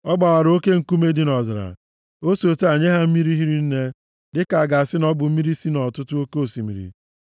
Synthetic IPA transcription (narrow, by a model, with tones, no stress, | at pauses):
ɔ˦ɡ͡ba˨wa˨ɾo˦ke˦ŋ̩˨ku˦me˦di˦nɔ˨zɪ˨ɾa̰˨ | o˦so˨te˦a˨ɲe˦ɦa˦m̩˦mi˦ɾi˦ɦi˦ɾi˦n̩˦ne˦ | dɪ˦ka˨a˨ɡa˨a˨sɪ˦nɔ˦bʊ˨m̩˦mi˦ɾi˦si˦nɔ˨tʊ˦tʊ˦o˦ke˦o˦˨si˨mḭ˨ɾḭ˨